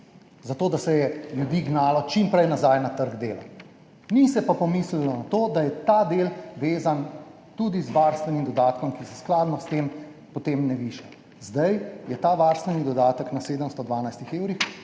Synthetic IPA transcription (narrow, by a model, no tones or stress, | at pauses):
zat̪oːd̪asɛjɛljud̪iːɡnaːlɔt͡ʃimpɾɛjnazajnat̪əɾɡd̪eːla̰ | nisɛpapɔmislilɔnat̪oːd̪ajɛt̪ad̪eːlʋeːzan | t̪uːd̪izʋaɾst̪ʋɛnimd̪ɔd̪aːt̪kɔmkisɛsklaːd̪nɔst̪em | pɔt̪emnɛʋiːʃɛ | zd̪ajjɛt̪aːʋaːɾst̪ʋɛnid̪ɔd̪aːt̪əknaseːd̪əmst̪ɔd̪ʋaːnajst̪ixeːwɾix